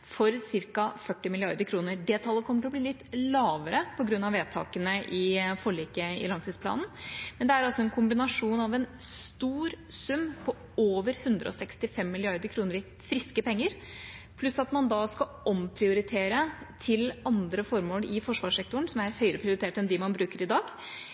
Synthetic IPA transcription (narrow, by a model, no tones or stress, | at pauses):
fɔɾsɪɾkɑfœʈːɪmɪlɪɑɾd̪əɾkʰɾuːnəɖ̪eːt̪ʰɑlːəkʰɔmːəʈɔbliːlɪt̪ːlɑːʋəɾəpʰɔɡɾʉnːɑʋeːt̪ʰɑ̰ːkənəʔɪfɔɭiːkəɪ̰lɑŋt̪ʰiːspʰlɑ̰ːnn̩mɛnd̪ɛæɾɑlsɔɛnkʰʊmbɪnɑʂuːnɑʋɛnst̪uːɾ | sʉmːpʰɔ | oːʋəɾhʉnd̪ɾə̰ɔ̰sɛkst̪ɪfɛmːɪlɪɑɾd̪əɾkʰɾuːnəɾɪ | fɾɪskəpɛŋːəɾ | pʰlʉsɑt̪mɑnd̪ɑskɑ | ɔmpʰɾɪʊɾɪt̪ʰeːɾət̪ʰɪlɑnd̪ɾəfɔɾmoːlɪfɔʂʋɑːʂɛk̚t̪ʊəɳ̩sɔmæɾhœʏəɾəpʰɾɪʊɾɪt̪eːʈɛnd̪ɪmɑnbɾʉːkəɾɪd̪ɑːɡ